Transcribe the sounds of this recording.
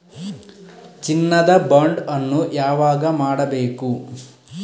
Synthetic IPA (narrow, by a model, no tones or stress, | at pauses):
t͡ʃinːɐd̪ɐbɐɳɖɐnːujaːʋaːɡɐmaːɽɐbeːku